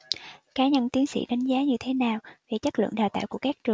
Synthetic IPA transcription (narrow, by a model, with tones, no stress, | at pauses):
kaː˨˦ɲə˧˩nt̪i˨˦ənsḭ˧˥ɗa˨˦jŋ̟zaː˨˦ɲɨ˧t̪ʰe˨˦naː˨˩wve˨˩t͡ɕə˦˥lɨ̰˧˨əŋɗaː˨˩t̪a̰ː˧˨jku˧˩əkaː˦˥k̚t͡ɕɨ˨˩